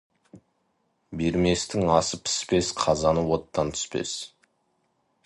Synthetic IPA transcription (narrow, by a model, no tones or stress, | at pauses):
beɾme̞st̪ɪŋɑsəpʰɪ̥spe̞sqʰɑzɑnəwo̞t̪ːɑnt̪ʰʏ̥spe̞̰s